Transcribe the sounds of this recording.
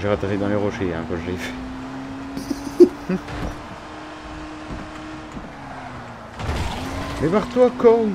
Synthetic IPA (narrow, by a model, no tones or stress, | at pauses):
ʒeʁat̪eʁid̪ɑ̃leʁɔʃeɛ̃kɔʒife | mɛpaʁt̪wakɔ